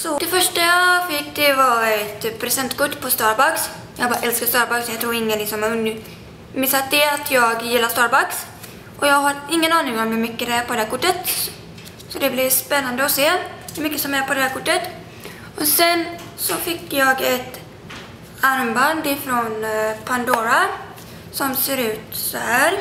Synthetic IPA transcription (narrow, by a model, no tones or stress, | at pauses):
sɔd̪̥ɛfœʂʈajɑfɪkːd̪ɛvaɛt̪pʰɾɛsɛnt̪kʊʈːpʰɔst̪ɑːɾbaks | jɑːɡ̚bɑːɾaʔɛlskast̪ɑːɾbaksɔjɑɡ̚t̪ʰɾuːɾɪŋːənɪksɔmɵn | mɪsat̪d̪ɛat̪ʰjɑːɡjɪlːast̪ɑːɾbaks | ʔɔjɑːɡɦaɾɪŋːənɑːnɪŋɔmhɵɾmʏkːəd̪ɛæːɾpʰɔd̪ɛd̪æːɾkʰʊʈːət̪ | sɔd̪ɛblɪspɛnːand̪əɔseːd̪mʏkːəsɔmæɾpʰɔd̪ɛhæːɾkʰʊʈːət̪ | ɔsɛn | sɔfɪkːjɑːɡɛt̪ | aɾmband̪ɪfɾɔnpʰand̪oːɾa | sɔmseːɾʉ̟ːt̪sɔhæːɾ